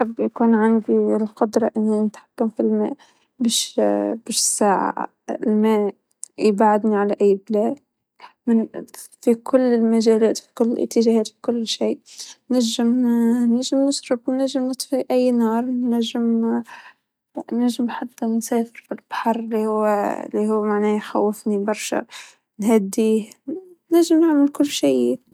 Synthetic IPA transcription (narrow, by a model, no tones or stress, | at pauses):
ħabːjkuːnʕand̪ilqʊd̪ɾˤɑʔɪnːinɪt̪ħḁkːamfilmæ̰ːʔ | bæːʃbæːʃsaːʕa̰ | lmæːʔ | jbʕad̪niʕalæʔɪjːblæːd | mɪnfikʰʊlːɪlmaʒæːlæːt̪fi̥kʊlːɪlʔɪ̰t̪ːəʒæhæːt̪fi̥kʊlːʃiːʔnæʒːɪmnaʒɪmnɪsɾʊbnːaʒːɪmnət̪ˤfiʔajːnɑːɾˤnæʒːɪm | naʒːɪmnħat̪ːansæːfɪɾfilb̥aħɑɾˤlihʊw̰ːlːihʊːmaʕnæːjxa̰wːɪfnibɑɾˤʃa̰ | nhæd̪ːiːh | naʒːɪmnaʕmɪlkʊlːʃiː